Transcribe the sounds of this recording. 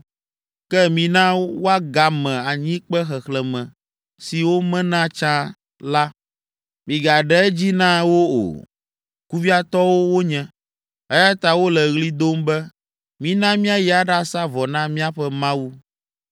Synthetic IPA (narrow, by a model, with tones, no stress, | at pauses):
kɛ˦mĩ˨nã˦wo˦a˦ɡa˨mɛ̃˨a˨ɲĩ˦k͡pɛ˦xɛ˨xlɛ˨mɛ̃˨ | si˨wo˦mɛ̃˦nã˦t͡ʃã˦ | la˦ | mĩ˨ɡa˨ɖɛ˦ɛ˦d͡ʑi˦nã˦wo˦o̰˨ | ku˦vi˦a˦t̪ɔ˦wo˦wo˦ɲɛ̃˨ | ɛ˦ja˦t̪a˨wo˦lɛ˨ɣli˦d̪o˦mbɛ˦ | mĩ˦nã˦mĩ˦a˦jɛ˨a˨ɖa˦sa˦vɔ˨nã˦mĩ˦a˦ɸɛ˦mã˦wu˦